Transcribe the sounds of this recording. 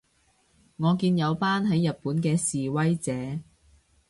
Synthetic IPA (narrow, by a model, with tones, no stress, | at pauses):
ŋɔː˨˧kiː˧njɐ˨˧wpaː˥nɦɐ˨˥jːɐ˨t̚puː˨˥nkɛː˧siː˨wɐ˥jt͡sɛː˨˥˦